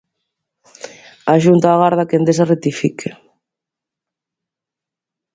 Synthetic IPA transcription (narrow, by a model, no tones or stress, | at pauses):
aʒunt̪aːɣaɾð̞akend̪es̬aret̪ifikʰe